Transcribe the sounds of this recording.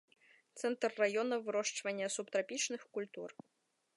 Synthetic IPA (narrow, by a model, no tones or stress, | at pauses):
t̪sɛnt̪rːajɔnɐvɨɾɔʂt͡ʂvɐnʲːɐsupt̪ɾapʲit͡ʂnɨxkulʲt̪ur